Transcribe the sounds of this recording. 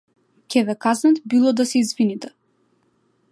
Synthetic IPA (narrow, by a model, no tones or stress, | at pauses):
cʲɛvɛkaznat̪bilˠɔd̪asɛizvinit̪ɛ